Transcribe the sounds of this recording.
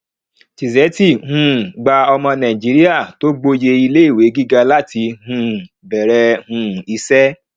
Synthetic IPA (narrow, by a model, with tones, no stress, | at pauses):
ti˨zɛ˨˦ti˦˨hũ˧˦˨ɡ͡ba˧ɔ˧mɔ̃˧nã˨i˨d͡ʒi˨˦ɾi˦a˦˨to˦ɡ͡bo˧je˧i˧le˦i˦˨we˨˦ɡi˦ɡa˧la˦ti˧hũ˧˦˨ | bɛ˨ɾɛ˧hũ˧i˧sɛ˦